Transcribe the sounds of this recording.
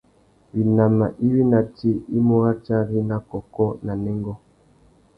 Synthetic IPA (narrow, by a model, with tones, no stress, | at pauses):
bi˨na˨ma˨ʔi˦wi˦na˨ti˦i˦mo˦ɣa˦t͡ʃa˦ɾi˦na˦kɔ˨kɔ˦na˨nɛ˦ŋɡɔ˦